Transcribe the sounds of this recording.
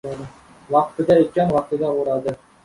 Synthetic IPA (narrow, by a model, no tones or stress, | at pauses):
wɑqt̪ə̆d̪ɑet̪̚kænwɑq̪id̪ɑuɾɑd̪ɤ